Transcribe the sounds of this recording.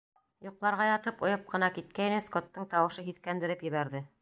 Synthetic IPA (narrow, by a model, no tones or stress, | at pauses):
jŏqlˠɑɾʁɑjɑt̪ɤpŏjɤp̚qɤ̆nɑkit̪̚kæj̆nɘskot̪ːɤɴt̪ɑwɤ̆ʃɤɦiθkænd̪ɘ̆ɾɘpjɘ̆βæɾðɘ